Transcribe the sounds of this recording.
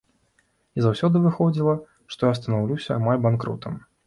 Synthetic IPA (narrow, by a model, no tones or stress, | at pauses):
izawsʲɔd̪ɨvɨxɔd͡zʲilˠɐ | ʂt̪ɔjast̪ɐnawlʲusʲɐːmalʲbankɾɔ̰t̪ʰɐm